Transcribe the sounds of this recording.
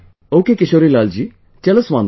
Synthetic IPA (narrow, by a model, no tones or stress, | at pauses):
oːkekɪʃoːɾilaːld͡ʒiː | t͡ʃɛləsʋãːn